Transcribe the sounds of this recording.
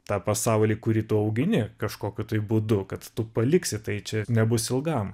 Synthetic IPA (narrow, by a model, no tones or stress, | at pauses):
t̪ɑːpɐsɑˑʊlʲiːkʊɾʲiːt̪ʊɐʊɡʲɪnʲɪkɐʃkoːkʲʊt̪ɐɪbud̪ʊkɐt̪t̪ʊpɐlʲɪksʲɪt̪ɐɪt͡ʃʲɛnʲɛbʊsɪlˠɡɐm